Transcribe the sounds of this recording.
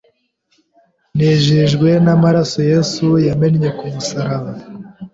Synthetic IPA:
neʒiʒɡwe̞namaɾaso̞je̞sujame̞nɲe̞kumusaɾaβaa

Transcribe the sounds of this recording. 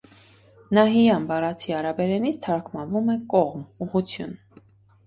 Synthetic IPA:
nɑɦijɑnbɑrɑt͡sʰiɑɾɑbɛɾɛnit͡sʰt̪ʰɑɾkʰmɑnvumɛkɔʁmuʁut͡sʰjṵn

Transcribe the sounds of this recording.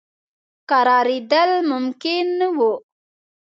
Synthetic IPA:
qaɾɑːɾid̪əlmʊmkɪnːəwu

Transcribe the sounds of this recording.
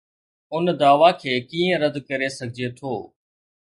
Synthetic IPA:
ʊnd̪aːʋaːkʰeːkiːə̃ɾəd̪kəɾesəɡʱɪd͡ʒet̪ʰoː

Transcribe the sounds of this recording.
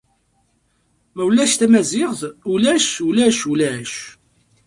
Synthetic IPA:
mæwlːæʃt̪æmæzɪʁθulæʃulæʃulæʃ

